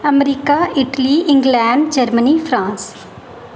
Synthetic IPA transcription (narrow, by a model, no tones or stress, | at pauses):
əmɾiːkaːʔɪʈliːɪ̃ŋɡlɛ̃ːɳɖd͡ʒəɾməniːfʰɾãːns